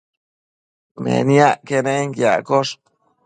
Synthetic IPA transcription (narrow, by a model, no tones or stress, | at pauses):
mḛnjaʔkeneŋkja̰koʂ